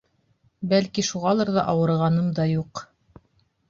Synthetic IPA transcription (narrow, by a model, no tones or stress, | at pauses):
bælkiʃuʁɑlˠɤɾðɑʔɑwɤ̆ɾʁɑnɤmd̪ɑjuq